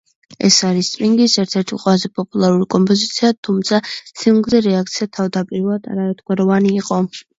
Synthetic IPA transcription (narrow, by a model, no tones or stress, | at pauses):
ɛ̰saɾist̪sʼpiŋɡisɛɾt̪ʰɛɾt̪ʰiqʼwɛlazɛpʼɔpʼulˠaɾuɾikʼɔmpʼɔzit̪sʰiat̪ʰumt̪sʰasʰimɡzɛɾɛak̚ʰt̪sʰiat̪ʰavd̪apʼiɾad̪a̰ɾaɛt̪̚ʰɡwaɾɔvaniːqʼɔ